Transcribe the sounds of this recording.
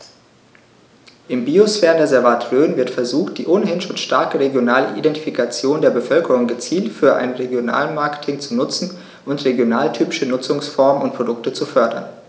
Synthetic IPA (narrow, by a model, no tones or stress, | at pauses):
ʔɪmbiosfɛːɐʁəndeɐzɛɐvatʰʁøːnvɪɐtfɛɐzuːxt̚d̥iːʔonəɦɪnʃoːnʃtaɐkəʁeɡjonaːləʔḭdɛnti̥fikʰat͡sjoːndeːɐbəfœlkəʁ̞ʊŋɡət͡siːltfyːɐʔa̰ɪnʁeɡjona̰ːlmaɐkə̥tʰɪŋt͡sunʊt͡sn̩ | ʔʊntʁeɡjonaːltʰyːpɪʃənʊt͡sʊŋsfɔɐmənʊnt̚pʁ̥odʊktət͡sufœɐdɐ̰n